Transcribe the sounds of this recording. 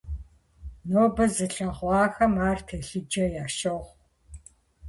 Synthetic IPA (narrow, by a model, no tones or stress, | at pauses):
noːbɐzɨɬɐʁʷɑːxɐmaːrtʰeːɬɨd͡ʒɐjaːʃɐʁʷ